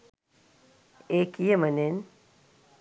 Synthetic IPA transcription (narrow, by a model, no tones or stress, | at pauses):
ekijemənen